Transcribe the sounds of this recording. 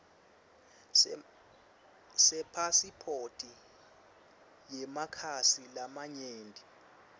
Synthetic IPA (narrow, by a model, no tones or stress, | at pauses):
sɛpʰasipʰotʼi | jɛmakʰasilamaɲeːndʱʼi